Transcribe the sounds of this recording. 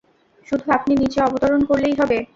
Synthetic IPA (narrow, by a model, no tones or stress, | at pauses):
ʃud̪ʱuapninit͡ɕeɔbot̪oɾonkoɾlejɦɔbe